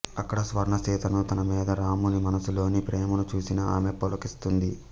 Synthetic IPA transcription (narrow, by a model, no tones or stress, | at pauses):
ɐkːɐɽɐsʋɐɾɐɳɐt͡ʃiːt̪ɐnut̪ɐnɐmiːd̪ɐɾaːmunimɐnɐsulo̞ːnipɾʔeːmɐnut͡ʃuːsinɐaːmepolɐkist̪und̪i